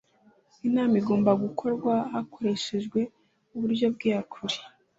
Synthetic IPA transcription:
inaːmiɡoːmbaɡukʰo̞ɾɡwaɦakoɾe̞ʃe̞ʒɡwe̞ | uβuɾjo̞bɡiakʰuɾi̥

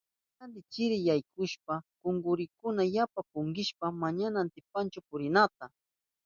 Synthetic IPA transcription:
alɪt͡ʃɪɾɪjajkʰʊʃpakʊŋɡʊɾɪkʊnajapapʊŋɡɪʃpamaɲanant̪ɪp̚ant͡ʃʊpʊɾɪnat̪a

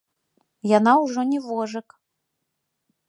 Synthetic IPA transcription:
janawʐɔnʲɛvɔʐɨk

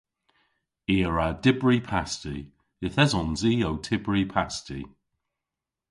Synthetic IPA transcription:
iːəɹadɪbɹipʰasti | ɪθɛzɔnziːowtʰɪbɹipʰastḭ

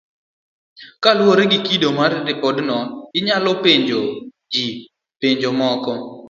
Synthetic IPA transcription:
kalwoɾeɡikidomartɪpɔdnɔɪɲalɔpeɲd͡ʒo | d͡ʒi | peɲd͡ʒomɔkɔ

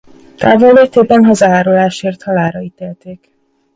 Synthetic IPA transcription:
t̪aːvolːeːt̪eːbɛnɦɒzaːaːɾolaːʃeːrt̪hɒlaːɾɒit̪eːlt̪eːk

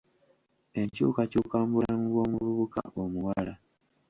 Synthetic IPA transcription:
e̞ɲcukacukaːmbuɾaŋɡwo̞ːmuβuβuka̰ʔomuwala

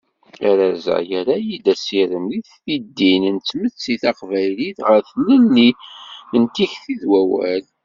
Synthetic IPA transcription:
æɾæzæ̰jæɾajid̪æsiɾəmliθθid̪ːinənt͡sːmət͡sːiθɑqvæjliθʁəɾθlənːiənt̪içθiðwæwæ̰l

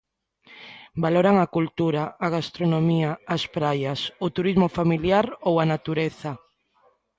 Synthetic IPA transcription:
baloɾaŋakult̪uɾaːɣ̞ast̪ɾonomiaːspɾajasot̪uɾizmofamiljaɾowanat̪uɾeθa

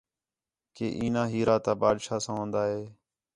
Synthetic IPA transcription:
kḛːʔiːnãːɦiːɾaːt̪aːbaːd̪ʃaːsãːɦõːnd̪aːɦeː

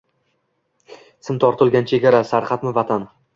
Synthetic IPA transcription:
sɪmt̪ʰɒɾt̪ʰʊlˠɡʲant͡ʃʰe̞ɡʲaɾasaɾqʰɑt̪mɪvat̪ʰan

